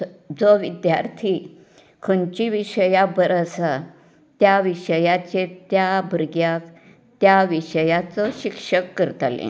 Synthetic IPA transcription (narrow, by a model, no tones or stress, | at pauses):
d͡zɔʋid̪jaɾt̪ʰi | kʰənt͡ɕiʋiɕəjabəɾəsa | t̪jaʋiʂəjat͡ɕet̪jabəɾɡjak | t̪jaʋiʂəjat͡sɔɕikʂəkːəɾt̪alḛ̃